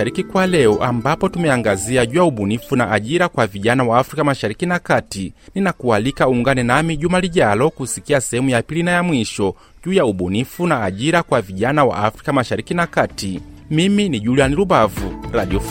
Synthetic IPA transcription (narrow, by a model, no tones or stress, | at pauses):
aɾikikwalɛɔʔambapɔtumɛaŋɡaziaɟuːjauɓunifunaʔaʄiɾakwaviʄanawaːfɾikamaʃaɾikinakatininakualikauŋɡanɛnamiʄumaliʄalɔkusikiasɛhɛmujapilinajamwiʃɔ | ɟuːjauɓunifunaːʄiɾakwaviʄanawa̰afɾikamaʃaɾikinakatimiminiʄulianilubavuɾaɗiɔf